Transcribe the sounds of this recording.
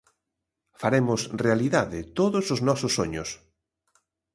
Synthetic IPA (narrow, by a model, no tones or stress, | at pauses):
faɾemʊsrealiðaðɪt̪oðʊsʊznɔsʊsːoɲʊs